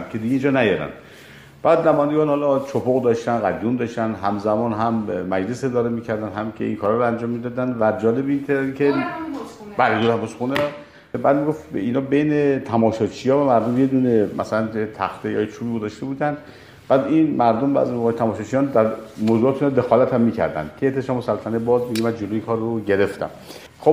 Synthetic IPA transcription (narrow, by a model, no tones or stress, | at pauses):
mcʰed̪iɡeind͡ʒɒːnæjɒɾæ̰nd̪ | b̥æːd̪næmɔːjænd̪eɡɒːnhɒlɒt͡ʃʰopʰoɣd̪ɒʃt̪ænɣæd̪jund̪ɒʃt̪ænd̪ɦæmzæmɒːnɦæmːæd͡ʒle̞se̞d̪ɒːɾemiːcʰæɾd̪ænɦæmcʰḛḭŋkʰɒːɾɒɾɒænd͡ʒɒːmːid̪ɒd̪ænvæd͡ʒɒːlebint̪ʰcʰe | bælid̪ot̪ʰæmɔsxune | bæːd̪miɡo̞ft̪iːnhɒːbejnet̪ʰæmɒːʃɒt͡ʃʰijɒːvæmæɾd̪omjed̪unemʔæ̰sælænet̪ʰæ̰xt̪ʰejɒ̰ːjet͡ʃʰuːbiːɡozɒʃt̪e̞buːd̪ænd̪ | b̥æːd̪inmæɾd̪ombæ̰zmoɣɒːjet̪ʰæmɒːʃɑt͡ʃʰijɒːnd̪æɾmoːzuɒːt̪ʰiːnɑd̪e̞xɒːlæt̪ʰhæmːiːcʰæ̰ɾd̪æ̰nd̪̥kʰeet̪ʰːeʃɒmosælːfænebɒːzmiɡemænd͡ʒolojikʰɒːɾːoɟeɾeft̪æ̰m | xob